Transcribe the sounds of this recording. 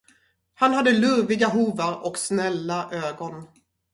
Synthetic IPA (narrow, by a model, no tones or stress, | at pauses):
hanhad̪ːəlɵɾvɪɡaɦuːvaɾɔksnɛlːaʔøːɡɔn